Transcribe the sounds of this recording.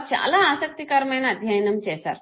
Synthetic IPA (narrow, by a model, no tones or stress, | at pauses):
pt͡ʃʰeʔɐ̰laːsək̚t̪ikaɾmenad̪ʱjajnɐmt͡ɕɛsa̰ɾ